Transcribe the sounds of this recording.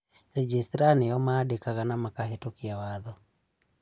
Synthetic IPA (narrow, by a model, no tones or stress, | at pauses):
ɾɛd͡ʒistɾanijɔmaːɗikaɣanamakaɦɛtukiawaðɔ